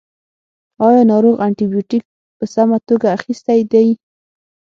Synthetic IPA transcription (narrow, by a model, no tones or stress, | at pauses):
ɑjɑnɑɾoɣaɳʈibjoʈik̚ | pəsamat̪oɡaːxist̪ajd̪aj